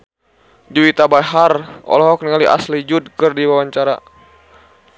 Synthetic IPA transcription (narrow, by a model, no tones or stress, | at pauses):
d͡ʒuwit̪abaɦarɔ̰lɔɦɔk̚niŋaliʔa̰slid͡ʒud̚kɨrdiwawaɲt͡ʃaɾa̰